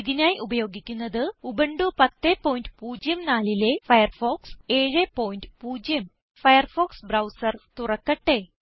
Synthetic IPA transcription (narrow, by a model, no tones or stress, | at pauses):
iðinaːjiʔubɐjo̞ːɡikʲːunːɐðɨubɐɳɖupɐt̪ːepːo̞ːjindɨpuːd͡ʑjɐmnaːlile̞fɐjɐrfo̞ːkse̞ːɻepːo̞ːjindɨpuːd͡ʑjɐm | fɐjɐrfo̞ːksbrɐwsɐrt̪urɐkːɐʈːe̞